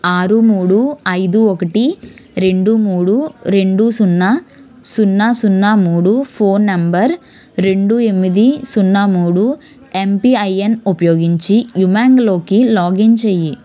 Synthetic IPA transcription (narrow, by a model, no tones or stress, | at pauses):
aːɾɯmuːɽuɐɪðuɔkːɐʈːiɾeɳɖumuːɽuɾeɳɖusunːaː | sʊnːaːsʊnːaːmuːɽufoːnːɐmbɐɾ | ɾeɳɖuɛmːiðisunːaːmuːɽu | empiɐjenupɐjoːɡiɲt͡ʃijumaːŋɡloːkːilaːɡiɲt͡ʃɛjːi